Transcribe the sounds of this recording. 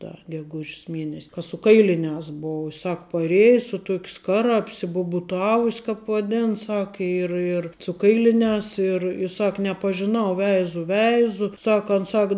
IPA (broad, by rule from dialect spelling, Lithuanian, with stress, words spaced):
ˈdɐ ɡʲɛˈɡʊʃʲs ˈmʲiɛnʲɛsʲ kɐ sʊ ˈkɐɪlʲɪnʲæːs ˈboːʊ ɪ ˈsɐk pɐˈrʲeːjɛ sʊ ˈtuɔkʲ ˈskɑːrɐ ɐpʲsʲɪbʊbʊˈtɑːʋʊsʲ kɑːp ʋɐˈdʲɛn ˈsɐk ɪr ɪr sʊ ˈkɐɪlʲɪnʲæːs ɪr ˈsɐk nʲɛpɐʒʲɪˈnɐʊ ˈʋʲɛɪzʊ ˈʋʲɛɪzʊ ˈsɐk ɐn ˈsɐk